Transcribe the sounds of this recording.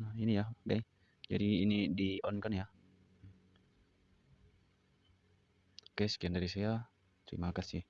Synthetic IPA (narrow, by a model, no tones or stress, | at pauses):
nainijaɡaj | d͡ʒa̰diːnidiʔɔnkanja | kaskiandaɾisaa | t̪ɾḭmakasih